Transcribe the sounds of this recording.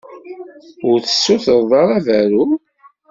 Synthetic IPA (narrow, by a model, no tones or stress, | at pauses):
ʊɾθə̥sːuθəðˤðˤɑɾˤævæɾu